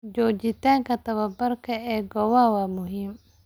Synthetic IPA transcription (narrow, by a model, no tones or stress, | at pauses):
d͡ʒɔːt͡ʃɪt̪ʰaːŋkʰɐt̪ʰɐβɐbɐrkʰɐɛːɡɔwɐwɑːmʊɦiːm